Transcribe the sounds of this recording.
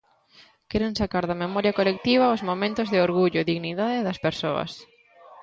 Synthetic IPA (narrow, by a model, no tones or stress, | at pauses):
kɛɾẽnsakaɾðɐmemɔɾjɐkolek̚t̪iβ̞ɐʊzmomẽnt̪ʊzðɪoɾɣuʎʊðiɣniðaðɪðɐspeɾsoɐ̰s